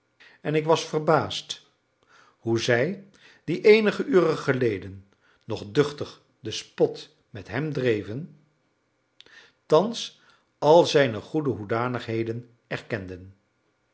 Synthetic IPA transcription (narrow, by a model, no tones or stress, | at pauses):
ɛnɪkʋɑsfərbaːst | huzɛj | diʔejnəχəʔyːrəχəlejdənː | ɔχdɵχtəχ | dəspɔt | mɛtɦɛmdrejvən | tɑns | ɑlˠzɛjnəχudəɦudaːnəχɦejdən | ɛɹkɛndən